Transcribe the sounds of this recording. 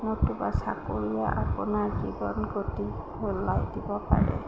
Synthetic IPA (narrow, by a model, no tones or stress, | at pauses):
notubasakoɹijaʔapunaɹzibɔnɡotiholːajdibɔpa̰ɹɛ̰